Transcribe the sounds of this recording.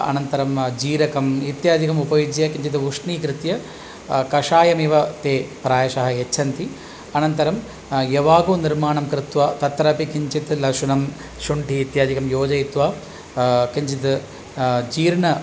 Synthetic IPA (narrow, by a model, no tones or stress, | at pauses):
ɐ̰nɐnt̪ɐɾɐmd͡ʒiːɾɐkɐmit̪jaːd̪ikɐmupɐjud͡ʒjɐkiɲt͡ʃit̪̬ʋuʂɳiːkɾɪt̪jɐ | kɐʂaːjɐmiʋɐt̪eːpɾaːjɐʃɐɦɐjet͡ʃːt͡ʃʰɐnt̪i | ɐnɐnt̪ɐɾɐm | jeʋaːɡuːniɾmaːɳɐmkɾɪt̪ʋɐt̪ɐt̪ːɾɐpikiɲt͡ʃit̪lɐʂunɐm | ʃuɳʈiːt̪jaːd̪ikɐmjoːd͡ʒɐjit̪ʋaː | kiɲt͡ʃit̪ | d͡ʒiːɾɳɐ